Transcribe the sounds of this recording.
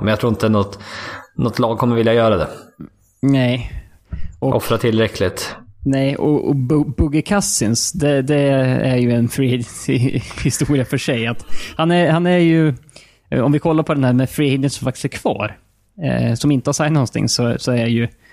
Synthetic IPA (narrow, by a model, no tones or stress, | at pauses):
mɛnjat̪ʰɾuːɾɪnt̪ənɔt̪nɔt̪ʰːlɑːɡ̚kʰɔmːəɾvɪljajœːɾad̪ɛ̰ | nɛj | ʔɔʔɔfɾat̪ʰɪlɾɛkʰlɪt̪nɛjɔ̰ɔ̰bbɵɡəkʰasɪnsd̪ɛd̪ɛæ̰ɾjɵɛnfɾid̪ | hɪst̪uːɾɪafœʂɛjat̪hanæɾhanæɾjɵ | ɔ̰mvɪkʰɔlːaɾpʰɔd̪ɛnhæːɾmɛfɾihɪd̪ənsɔmfak̚t̪ɪ̥sæɾkʰv̥ɑ̰ːɾ̰ | sɔmɪnt̪əhaɾʂaɪnnɔnt̪ʰɪ̰ŋːsɔsɔæjɵ